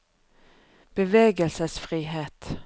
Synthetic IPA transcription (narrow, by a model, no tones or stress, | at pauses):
b̥ɛveːɡəlsəsfɾiːɦeːt̪